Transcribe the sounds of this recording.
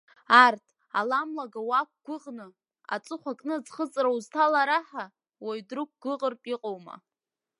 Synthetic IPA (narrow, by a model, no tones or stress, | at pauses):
artʰ | a̰lamlaɡawak̚ʷɡ̥ʷʊʁnɨ | a̰t͡sʼɨχʷakʼnɨd͡zχət͡sʼrawztʰalaɾaħa | wajdrɨk̚ʷɡ̥ʷʊʁərpʼiqʼowma̰